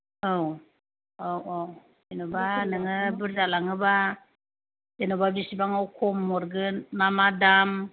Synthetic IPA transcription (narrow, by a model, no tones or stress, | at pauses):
ow | owʔow | enobanɯŋɯbɯɾzalaŋɯba | denobabisibaŋawkʰɔmːɔɾɡɯnmamadam